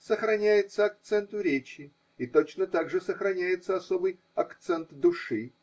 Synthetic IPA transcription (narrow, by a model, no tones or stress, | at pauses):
səxɾɐnʲæjɪt̪səɐk̚t̪sɛnt̪ʊɾʲet͡ɕɪ | it̪ot͡ɕnət̪aɡʐɨsəxɾɐnʲæjɪt̪səɐso̞bɨj | ɐkt̪sɛnt̪d̪ʊʂɨ